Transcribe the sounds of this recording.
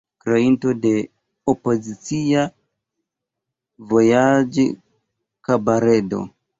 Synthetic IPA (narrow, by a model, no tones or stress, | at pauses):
kɾeinto̞de̞ | opo̞zit͡sia | vo̞jad͡ʒ | kabaɾe̞do̞̰